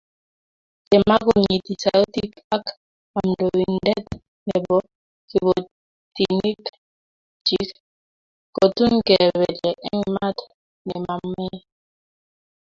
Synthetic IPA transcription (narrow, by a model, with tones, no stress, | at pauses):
kɛ˨ma˦ɣu˨nɲi˨ti˨sa˨o˦ti˦k | a˦k | a˨mdowi˨ndɛ˦t | nɛ˨bɔ˦ | ki˨βɔ˨ | tini˦k | t͡ʃi˦k | kɔ˨tu˦nkɛ˨βɛ˨dɛ˨ʔɛ̰˦ŋma˦t | nɛ˨ma˨mːɛ˦